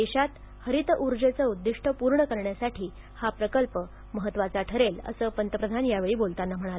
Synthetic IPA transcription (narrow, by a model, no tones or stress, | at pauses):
eɕat̪ | həɾit̪əʔuɾd͡zet͡səud̪ːiʂʈʰəpuɾɳəkəɾɳjasaʈʰiː | hapɾəkəlpə | məɦət̪ːʋat͡saʈʰəɾelə̰səːpənt̪əpɾəd̪ʱanjaʋeɭiːbolt̪anːam̤əɽ̃al